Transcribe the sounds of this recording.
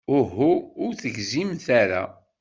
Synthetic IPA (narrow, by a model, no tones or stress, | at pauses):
ʊɦuːɾθəʝzimθaɾa̰